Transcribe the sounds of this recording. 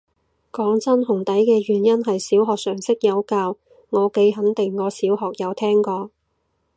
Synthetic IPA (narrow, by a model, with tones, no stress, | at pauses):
kɔː˨˥ŋt͡sɐ˥nɦʊ˨˩ŋt̪ɐ˨˥jkɛː˧ɥyː˨˩njɐ˥nɦɐ˨jsiː˨˥wɦɔː˨k̚sœː˨˩ŋsɪ˥k̚jɐ˨˧wkaː˧w | ŋɔː˨˧ke˨˥jɦɐ˨˥nt̪ɪ˨˩ŋːɔː˨˧siː˨˥wɦɔː˨k̚jɐ˨˧wt̪ʰɛː˥ŋkɔː˧